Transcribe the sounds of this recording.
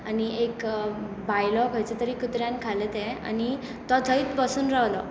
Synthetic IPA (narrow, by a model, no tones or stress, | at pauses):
aniek | bajlɔkajt͡set̪əɾiːkut̪ɾjãnkʰalet̪ẽa̰ni | t̪ɔd̪ʱəit̪bəsuːnɾawlɔ